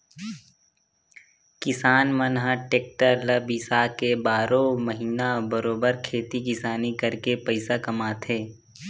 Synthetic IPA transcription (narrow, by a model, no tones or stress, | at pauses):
kɪsaːnmənɦaʈeːk̚ʈəɾləbisaːkebaːɾõməɦiːnabəɾoːbəɾkʰeːt̪ikɪsaːnikɐɾkepəɪsakɐmaːt̪ʰeː